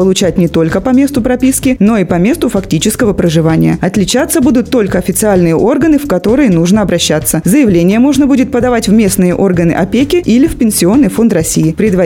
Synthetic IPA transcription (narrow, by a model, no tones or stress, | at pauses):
pəlˠʊt͡ɕætʲnʲɪt̪o̞lʲkəpɐmʲe̞st̪ʊpɾɐpʲiskʲɪno̞ipɐmʲe̞st̪ʊfɐktʲit͡ɕɪskəvəpɾəʐɨvanʲɪjəɐt̪lʲɪt͡ɕat̪sːəbud̪ʊt̪ːo̞lʲkəɐfʲɪt̪sɨalʲnɨjəʔo̞rɡənɨfkɐt̪o̞ɾɨjənuʐnəɐbɾɐɕːat̪sːəzəjɪvlʲenʲɪjəmo̞ʐnəbudʲɪt̪̚pəd̪ɐvatʲvmʲe̞snɨjəʔo̞rɡənɨ̰ʔɐpʲekʲɪʔilʲɪfpʲɪnʲsʲɪo̞nːɨjfo̞nt̪rɐsʲijɪpɾʲɪd̪vɐ